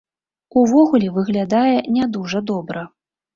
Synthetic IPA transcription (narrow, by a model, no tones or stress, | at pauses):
uvɔɣulʲɛvɨɣlʲad̪ajɛnʲad̪uʐɐd̪ɔbɾɐ